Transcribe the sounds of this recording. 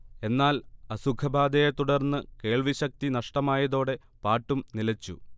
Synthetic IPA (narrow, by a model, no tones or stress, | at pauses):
e̞nːaːlɐsukʰɐbʱaːd̪ɐjet̪uɽɐrnːɨke̞ːɭʋiɕɐk̚t̪inɐʂʈɐmaːjɐðo̞ːɽe̞ | paːʈːumnilɐt͡ɕːṵ